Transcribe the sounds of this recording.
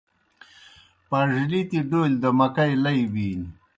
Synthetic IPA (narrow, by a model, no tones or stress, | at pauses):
paʐlit̪iɖoːld̪əmɐkajlɐjwiːn